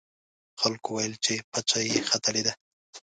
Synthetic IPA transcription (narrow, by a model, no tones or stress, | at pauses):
xalkowajəlt͡ʃepat͡ʃajexat̪aled̪a